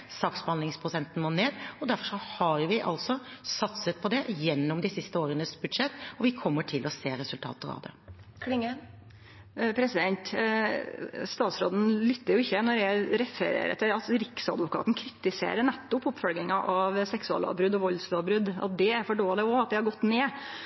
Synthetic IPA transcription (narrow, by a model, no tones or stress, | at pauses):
sɑːksbəɑnlɪŋspʰɾʊsɛnt̪n̩moːneːd̪ɔd̪æɾfɔʂɔhɑɾʋɪʔɑ̰lt̪sɔsɑt̪sət̪̚pʰɔd̪ɛjɛnːɔmd̪ɪsɪst̪əoːɾənəsbʉd̪ʂɛt̪ːɔʋɪkʰɔmːəʈʰɪlʔɔseːɾɛsʉlt̪ʰɑ̰ːt̪əɾɑ̰ʋd̪ɛ̰kɪŋ | pʰɾɛsɪd̪ɛnt̪ | st̪ɑːt̪sɾoːd̪n̩lʏt̪ːəɾjʊɪçːənɔjɛɾɛfə̰ɾḛːɾə̰t̪ʰɪlɑt̪ɾɪksɑ̰d̪ʋʊkɑ̰ːt̪n̩kʰɾɪt̪ːɪsḛːɾəɳɛt̪ːʊpʊpːfɔlɡ̪ɪŋɑʔɑʋsɛksʉɑ̰lɑ̰ːʋbɾʉd̪ɔʋɔlslʊɑbɾʉd̪ɑ̰t̪̚d̪ɛæɾfɔɖoːlɪɔɑt̪̚d̪ɛhɑɾɡɔt̪ːneː